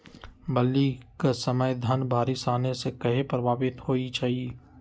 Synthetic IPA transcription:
bɐlːikasɐməjd̪ʱənbʱaːɾisaːnesekɐɦepɾɐbʱaːʋɪt̪hoːit͡ʃaːɦieː

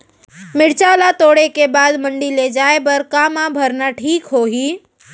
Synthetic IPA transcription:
mɪɽt͡ʃaːlat̪oːɽekebaːd̪mə̃ɳɖiled͡ʒaːebɐɾkaːmabʱəɾnaʈʰiːkɦoːɦiː

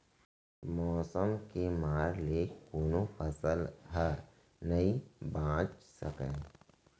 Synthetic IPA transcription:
mɔːsəmkemaːɾlekoːnofʰəsəlɦəɾ | nəĩbãːt͡ʃsəkẽː

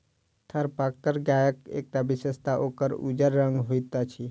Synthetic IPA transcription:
t̪ʰəɾpakːəɾɡajəkḛk̚t̪abisəst̪aʔokəɾṵd͡ʒəɾːə̃ŋɡɦoit̪at͡ʃʰi

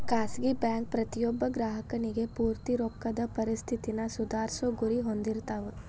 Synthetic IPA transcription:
kaːsɡibjaːŋk̚pɾɐt̪ijobːɐɡɾaːɦɐkɐniɡepuːɾt̪iɾoːkːɐd̪ɐpɐɾist̪ʰit̪inɐsud̪aːɾsɐɡuɾiɦond̪iɾt̪aːʋe

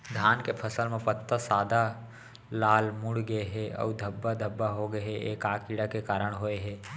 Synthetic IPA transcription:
d̪ʱjaːnkepʰəsəlmẽpət̪ːəsaːd̪ʱa | laːlmʊɽɡəeɦɛɔ̰ːd̪ʱɐbːad̪ʱəbːaɦoɡəeeːkaːkiɽakekaːɾəɽ̃ɦoeɦɛː

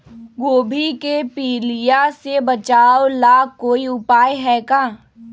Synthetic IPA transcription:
ɡoːbʱikepiːlijasebɐt͡ʃaːolaːkːoːiʊpaːjɦɛkaː

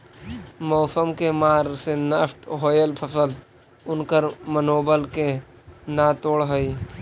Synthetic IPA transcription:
mɔːsəmkemaːɾsenəfʈɦoːjəlpʰəsəld̪ | ʊnkəɾmənoːbəlke | nat̪oːɽɦoi

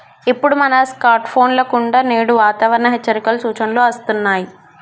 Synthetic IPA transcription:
ipːuɽumɐnɐskaːɾʈpʰo̞ːnlɐkuɳɖaneːɽuʋaːt̪ɐʋɐɾɐnɐɦet͡ʃːɐɾikɐlusuːt͡ʃɐnloɐst̪unːaːji

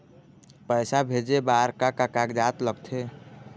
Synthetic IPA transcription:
pəɪsabʱed͡ʒebaɾkakakakd͡ʒat̪ləɡt̪ʰe

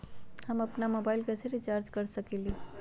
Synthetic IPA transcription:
həməpnamobaɪlkasʰeɾit͡ʃaːɾd͡ʒkəɾsəkili

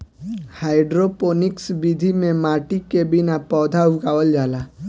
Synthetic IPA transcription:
haːɪɖɾopoːnɪksbid̪ʱimẽmaːʈikebɪnapɔːd̪ʱaɦʊkaːʋəld͡ʒaːlaː

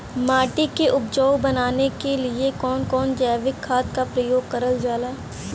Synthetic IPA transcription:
maːʈikeʔʊp̚d͡ʒɔːwbɐnaːnekeliekɔːnkɔːnd͡ʒɛːʋɪkʰːaːt̪kapɾɐjoːɡkɐɾəld͡ʒaːlaː

